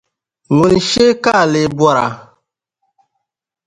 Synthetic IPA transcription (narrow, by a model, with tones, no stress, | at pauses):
ŋu˨n˨ʃe˦ka˦˨le˨bwɔ˦˨ɾa̰˨